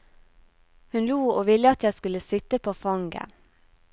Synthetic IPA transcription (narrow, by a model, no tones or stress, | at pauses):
hʉnluːoːʋɪləɑt̪jæɪskʉləsɪt̪əpʰoːfɑŋɡə̰